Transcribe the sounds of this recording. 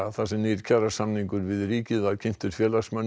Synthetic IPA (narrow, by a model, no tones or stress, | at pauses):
aθasɛmniɾ̥cʰaɾasamniŋkʏɾvɪðriːcɪðvaðcʰɪjn̥t̪ʏɾ̥fjɛːlasmœn